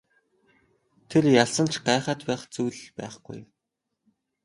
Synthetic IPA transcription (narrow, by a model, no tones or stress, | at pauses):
t̪ʰerjaɮsə̆n̥t͡ɕʰɢaːχaːt̪pæːχt͡sujɮpæ̰ːχɡ̥ṵj